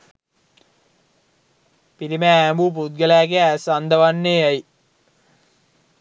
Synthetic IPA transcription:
piɾimæːmbuːp̬ud̪̚ɡəlæːɡeæsand̪əʋanːeaji

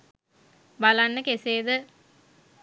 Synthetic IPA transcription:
balanːəkeseːd̪ə

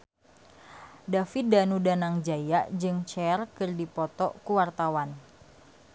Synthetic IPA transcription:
dafidanudanaŋd͡ʒajaʔd͡ʒɨŋt͡ʃɛrkɨrdipɔt̪ɔʔkuwart̪awan

